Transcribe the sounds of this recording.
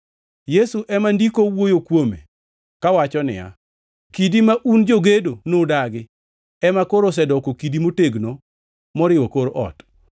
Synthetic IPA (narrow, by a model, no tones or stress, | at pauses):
jesuʔɛmandikowojokwomḛ | kawat͡ʃɔnɪ̰ja̰ | kidimaʔund͡ʒoɡedonodaɡɪ | ɛmakoɾos̬ɛdɔkokidimoteɡno | mɔɾɪwɔkoɾoʔɔ̰t